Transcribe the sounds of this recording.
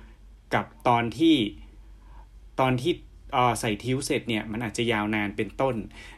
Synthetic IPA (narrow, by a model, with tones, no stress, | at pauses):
ka˨˩p̚t̪ɔː˧nt̪ʰiː˥˩ | t̪ɔː˧nt̪ʰiː˥˩ | ʔɤː˨˧˩sa˨˩jt̪ʰi˦˥wse˨˩t̪̚ni˥˩ɐma˧nʔaː˨˩t̪̚t͡ɕa˨˩jaː˧wnaː˧npe˧nt̪o˥˩n